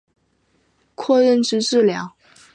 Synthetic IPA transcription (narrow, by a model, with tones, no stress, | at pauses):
kʰwɔ˥˧ɻə˥˩nʈ͡ʂɻ̩˧˥ʈ͡ʂɻ̩˥˩ljɑ˧˥ʊ